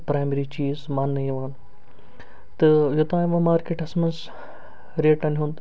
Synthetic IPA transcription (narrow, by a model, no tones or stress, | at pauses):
pɾaːjmeɾit͡ʃiːzmaːnːɐiʋaːn | t̪ɨjot̪ãːmɐ̃maːɾkeːʈɐsmɐnz | ɾeːʈɐnɦũnd̪